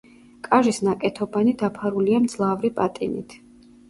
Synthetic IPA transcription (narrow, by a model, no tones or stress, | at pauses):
kʼaʒisnakʼɛt̪ʰɔbanid̪apʰaɾuliamd̪zlˠavɾipʼat̪ʼḭnḭt̪ʰ